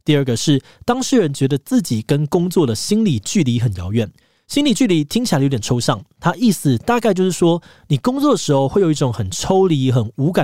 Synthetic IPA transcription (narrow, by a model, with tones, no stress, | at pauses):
t̪i˥˧ə˞˥˩ɡə˩ʂɻ̩˥˩ | t̪ɑ˥ŋʂɻ̩˥˩ɻə˧˦nt͡ɕɥɛ˧˥d̪ə˧t͡sɹ̩˥˩t͡ɕi˨˩kə˦nkʊ˥ŋt͡swɔ˥˩d̪ə˩ɕi˥nli˨˩t͡ɕy˥˩li˧˥xə˨˩njɑ˧˥ʊɥɛ˨˩n | ɕi˥ŋli˨˩t͡ɕy˥˩li˧˦t̪ʰi˥ŋt͡ɕi˨˩a˥˩jo˧˨˩ʈ͡ʂʰo˥ʊɕɑ˥˩ŋt̪ʰa˥ʔi˥˩sɹ̩˨˩t̪a˥˧ka˥ɪt͡ɕjo˥˧ʊʂɻ̩˥˩ʂwɔ˥ni˨˩kʊ˥ŋt͡swɔ˥˩d̪ə˨˩ʂɻ̩˧˥xo˧ʊxwe˥˩ɪjo˨˩˦i˥˩ʊ˨˩˦ŋxə˨˩nʈ͡ʂʰo˥ʊli˧˥xə˨˩nu˧˥ka˨˩